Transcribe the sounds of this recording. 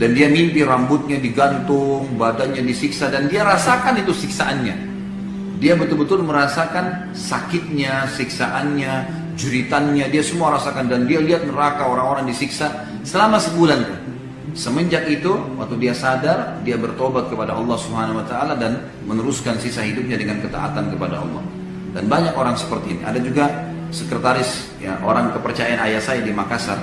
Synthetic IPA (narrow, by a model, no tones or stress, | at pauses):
dandiamimpiɾambʊt̪̚ɲadiɡant̪ʊŋbadanɲadisiksadandiaɾasakanit̪usiksaʔanɲa̰ | diabət̪ʊlbət̪ʊlməɾasakan | sakɪt̪̚ɲasiksaʔanɲa | d͡ʒuɾit̪anɲadiasəmuaɾasakandandialiat̪̚nəɾakaoɾaŋoɾaŋdisiksa | səlamasəbulank̪a | səməɲd͡ʒak̚it̪uwa̰k̚t̪udiasadardiabərt̪obat̪̚kəpadaɑlˠːɑhsubəhanauwat̪aːladan | mənəɾuskansisaɦidup̚ɲadəŋankət̪a̰ʔa̰t̪ankəpada̰ɑ̰lˠːɔ̰h | danbaɲakoɾaŋsə̥pərt̪inḭʔa̰dad͡ʒuɡa | səkɾət̪aɾɪs | ja̰ʔo̰ɾaŋkəpərt͡ʃajaanajasajadimakasa̰n